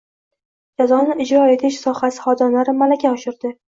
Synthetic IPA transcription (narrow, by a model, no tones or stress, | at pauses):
d͡ʒazɒnɪʔɪd͡ʒɾɒe̞t̪ʰɪʃsɒhasɪ̥χɒd̪ɒnlaɾɪmalakʲʰaɒʃɪɾd̪ɪ